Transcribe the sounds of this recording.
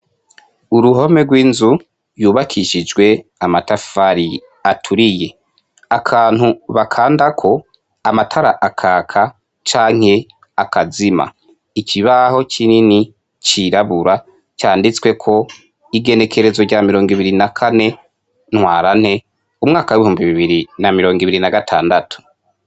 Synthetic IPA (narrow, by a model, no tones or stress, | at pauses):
uɾuɦo̞me̞ɡwiːnzu | juːβakʰiʃid͡ʒɡwe̞amatafaɾi | atʰuɾije̞ | akʰaːn̥huβakʰaːndakʰo̞ | amatʰaɾaʔakʰaːkʰa | t͡ʃaːŋ̥he̞ | akazima̰ | icʰiβaho̞t͡ʃinini | t͡ʃiɾaβuɾa | t͡ʃaːndit͡swe̞kʰo̞ | iɡe̞ne̞kʰe̞ɾe̞zo̞ɟamiɾo̞ːŋɡiβiɾinakʰane̞ | n̥hwaːɾanhe̞ | umŋaːkawiβihuːmbiβiβiɾinamiɾo̞ːŋɡiβiɾinaɡatʰaːndatu̥